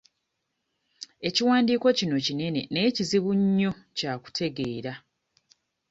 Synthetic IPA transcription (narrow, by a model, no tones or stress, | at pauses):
e̞ciwaːndiːko̞cino̞cine̞ne̞̰ne̞ːciziβuɲːo̞caːku̥tʰe̞ɡe̞ːɾa